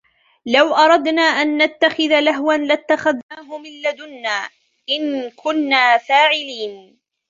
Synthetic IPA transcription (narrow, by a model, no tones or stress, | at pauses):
lawʔɑɾˤɑd̪naːʔanːat̪ːaxɪðalaɦwanlat̪ːaxaðnaːɦʊmɪlːad̪ʊnːaː | ʔɪnkʰʊnːaːfaːʕɪliːn